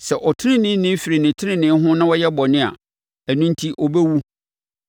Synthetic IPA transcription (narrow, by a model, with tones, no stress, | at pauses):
sɛ˨ʔɔ˨tʰɪ˦nɪ̃˦nɪ̃˦nɪ̃˦fi˨ɾi˨nɪ̃˨tʰɪ˦ɪ̃˦nɪ̃˦ɦʊ̃˦nã˦wɔ˦jɛ˦bɔ˨nɪ̃˦a̰˨ | æ˨nũ˦n˦tʰi˦ʔɔ˨bɛ˦wu˦